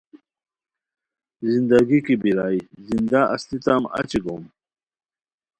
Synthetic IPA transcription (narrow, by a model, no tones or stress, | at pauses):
zind̪aɡikibiɾaːjzind̪aʔɐ̰st̪it̪amɐ̰t͡ɕiɡom